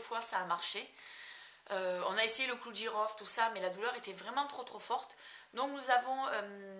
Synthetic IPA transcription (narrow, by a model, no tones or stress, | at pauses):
fwasaːmaʁʃe | øɔ̃naesejeləkudiʁɔft̪usamɛlad̪ulœʁet̪ɛvʁɛmɑ̃t̪χot̪χofɔʁt̪d̪ɔ̃knuzavɔ̃øm